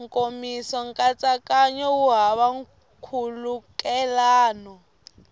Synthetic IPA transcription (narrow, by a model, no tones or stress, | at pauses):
ŋkʼomisɔŋ̩kʼat͡sʼakʼaɲɔwuɦaβaŋ̩ | kʰulukʼɛlaːnɔ